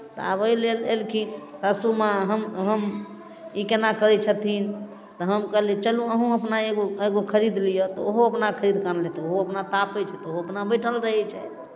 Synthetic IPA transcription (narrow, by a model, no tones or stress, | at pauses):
t̪ɔ̰a̰bəjlelelkʰinsasumaɦəmɦəm | ikenakəɾɛt͡ʃʰət̪ʰin | t̪ɔɦəmkəɦlit͡ʃəlũəɦũəpnaeɡoeɡokʰəɾid̪lijɔt̪ɔoɦoəpnakʰəɾid̪kanlet̪ɛoɦoəpnat̪apɛt͡ʃʰɛt̪ɔoɦoəpnabəʈʰəlɾəɦɛt͡ʃʰɛ